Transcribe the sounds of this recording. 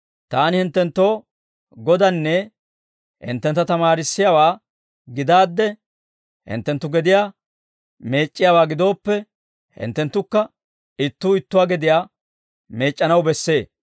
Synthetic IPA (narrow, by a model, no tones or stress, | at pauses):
t̪aːnɪhɪnt̪ːɛnt̪ːo̞ː | ɡɔd̪ɐnːɛ | hɪ̰nt̪ːɛnt̪ːɐt̪ɐmaːɾɪsːɪjawaː | ɡɪd̪aːd̪ːɛ | hɪ̰nt̪ːɛnt̪ːʊɡɛd̪ɪjaː | me̞ːt͡ʃʼːɪjaːwaːɡɪd̪o̞ːpːɛ | hɪ̰nt̪ːɛnt̪ːʊkːɐ | ɪt̪ːuːɪt̪ːʊwaːɡɛd̪ɪjaː | me̞ːt͡ʃʼːɐnɐwbɛsːe̞ː